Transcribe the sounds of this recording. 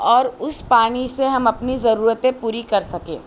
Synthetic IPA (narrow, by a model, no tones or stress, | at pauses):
ɔːɾʊspaːniseɦɐmɐpnizɐɾuːɾət̪ẽpuːɾikɐɾsɐkḛ̃ː